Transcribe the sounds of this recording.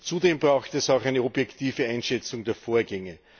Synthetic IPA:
t͡sudeːmbʁaʊxtəɛsaʊxæɪnəɔbjɛktʰiːvəãɪnʃɛt͡sʊŋdeːɐfoːɐɡɛŋə

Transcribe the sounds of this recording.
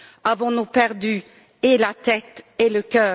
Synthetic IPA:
avɔ̃nupɛʁd̪y | elat̪ɛt̪eləkœː

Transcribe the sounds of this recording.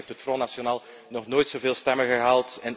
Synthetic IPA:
ftɦətfroːnasjonaːlˠ | nɔχnoːjtsoveːlˠstɛməɣəɦaːlˠtɛn

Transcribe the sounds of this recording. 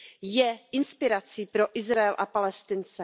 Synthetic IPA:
jɛʔɪnspɪɾat͡sipɾo̞ʔɪzɾaɛlʔapalɛst̪ɪnt͡sɛ

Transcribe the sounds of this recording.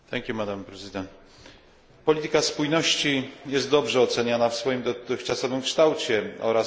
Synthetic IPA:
t̪ɛŋkʲjumad̪ampɾɛzɨd̪ɛnt̪ | pɔlʲit̪ɘkaspujnɔɕt͡ɕijɛst̪̚d̪ɔbʐɛɔt̪sɛɲanafsfɔjimd̪ɔt̪ɘxt͡ʂasɔvɘmkʂt̪awt͡ɕɛɔ̰ɾas

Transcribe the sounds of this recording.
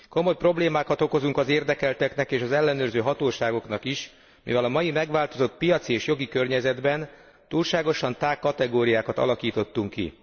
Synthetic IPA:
ko̞mo̞jpro̞bleːmaːkɒt̪o̞ko̞zuŋkɒzeːrd̪ɛkɛlt̪ɛknɛkeːʃɒzɛlːɛnøːrzøːɦɒt̪oːʃaːɡo̞knɒkiʃ | mḭvɛlɒmɒjimɛɡʋaːlt̪o̞zo̞t̪̚pijɒt̪sieːʃjo̞ɡikø̞rɲɛzɛd̪bɛn | t̪uːlʃaːɡo̞ʃɒnt̪aːkːɒt̪ɛɡoːɾijaːkɒt̪ɒ̰lɒkiːt̪o̞t̪ːuŋkːḭ

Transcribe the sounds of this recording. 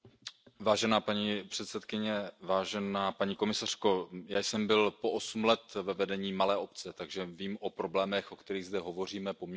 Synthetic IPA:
vaːʒɛnaːpaɲipr̝̥ɛt̪sɛt̪kɪɲɛvaːʒɛnaːpaɲiːko̞mɪsar̝̥ko̞jaːjsɛmbɪlpo̞ʔosumlɛt̪vɛvɛdɛɲiːmalɛːʔo̞pt͡sɛt̪aɡʒɛviːmʔo̞pɾo̞blɛːmɛxʔo̞kt̪ɛɾiːɣzd̪ɛɦo̞vo̞r̝iːmɛpo̞mɲ

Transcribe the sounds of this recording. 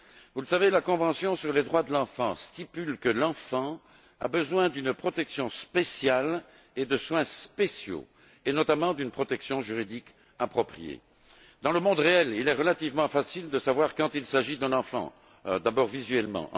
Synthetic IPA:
vuləsavelakɔ̃vɑ̃sjɔ̃syʁled̪ʁwad̪əlɑ̃fɑ̃st̪ipylkəlɑ̃fɑ̃ | a̰bəzwɛ̃d̪ynpχɔt̪ɛksjɔ̃spesjal | ed̪əswɛ̃spesjo̰ | enɔt̪amɑ̃d̪ynpχɔt̪ɛksjɔ̃ʒyʁid̪ik | apχɔpχijḛ | d̪ɑ̃ləmɔ̃d̪ʁeɛlilɛʁəlat̪ivmɑ̃fasild̪əsavwaʁkɑ̃t̪ilsaʒid̪ɛ̃nɑ̃fɑ̰̃ | d̪abɔʁvizɥɛlmɑ̰̃

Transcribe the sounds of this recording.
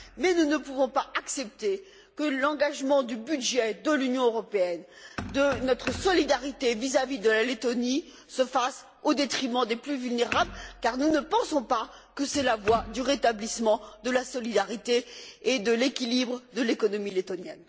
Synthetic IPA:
mɛnunəpuvɔ̃paaksɛp̚t̪e | kəlɑ̃ɡaʒmɑ̃d̪ybyd̪ʒɛd̪əlynjɔ̃øʁɔpeɛn | d̪ənɔt̪χəsɔlid̪aʁit̪evizavid̪əlalet̪ɔni | səfas | od̪et̪χimɑ̃d̪eplyvylneʁablkaʁnunəpɑ̃sɔ̃pakəsɛlavwad̪yʁet̪ablismɑ̃d̪əlasɔlid̪aʁit̪eed̪əlekʲilibʁəd̪əlekɔnɔmilet̪ɔnjɛ̰n

